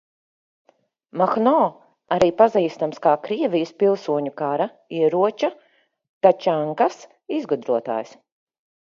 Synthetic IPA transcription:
maxnɔː | aɾiːpaziːst̪amskaːkɾiɛvʲijɪspilˠsuɔɲukaɾa | iɛɾuɔt͡ʃa | t̪at͡ʃaŋkas | izɡud̪ɾuɔt̪a̰ːjs

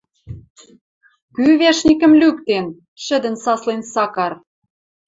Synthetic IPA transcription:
kyβeʃnʲikə̆mlykt̪en | ʃɘ̆d̪ə̆nsɑslensɑkɑr

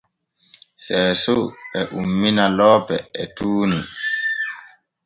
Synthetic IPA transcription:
sɛːsuɛʔumːinalɔːpɛɛtuːni

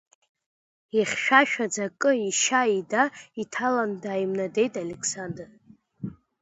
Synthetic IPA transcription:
iχʲʃᶣaʃᶣad͡zakʼɨiʃaidaitʰalandaːjimnade̞jtʼalekʰsandr

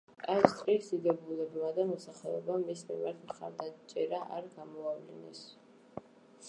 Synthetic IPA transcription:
kʼast̪ʼɾisd̪id̪ɛbulɛbmad̪amɔsaχɛɔbamismḭmaɾt̪ʰmχa̰ɾd̪at͡ʃʼɛɾaʔa̰ɾɡamɔavlḭnɛ̰s

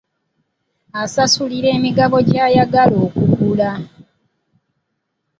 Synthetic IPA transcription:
asasuliɾe̞ːmiɡaβo̞ɟaːjaɡalo̞ːkukula

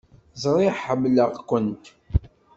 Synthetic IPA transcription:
zˤɾˤɪʕħəmːləʁkʷːənt̪

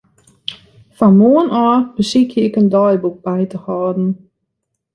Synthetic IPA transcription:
fɔnmuənɔːb̥əsikʰjəɪkəndɔjbuk̚b̥ɛjtəhɔːdn̩

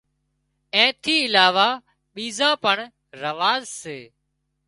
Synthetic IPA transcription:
ɛ̃ːt̪ʰiːɪlaːʋaː | ɓiːzãːpəɳ | ɾəʋaːzseː

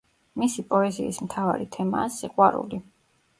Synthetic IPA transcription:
misipʼɔɛziːsmt̪ʰava̰ɾit̪ʰɛmaːsiqʼwaɾṵli

